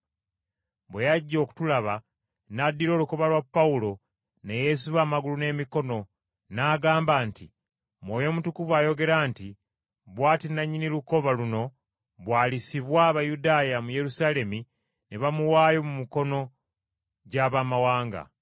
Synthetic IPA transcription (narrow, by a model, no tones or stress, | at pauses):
βwe̞jaɟːo̞ːku̥tulaβa | nadːiɾo̞ːluko̞βalwapːaulo̞ | neje̞siβaːmaɡulune̞ːmiko̞no̞ | naːɡaːmbaːnti | mwoːjo̞mutukuvwaːjo̞ɡe̞ɾaːnti | βwaːtinaɲːiniluko̞βaluno̞ | βwaːlisiβwaːβajudaːjamuje̞ɾusale̞mi | neβamuwaːjo̞mumiko̞no̞ | ɟaβaːmawaːŋɡa̰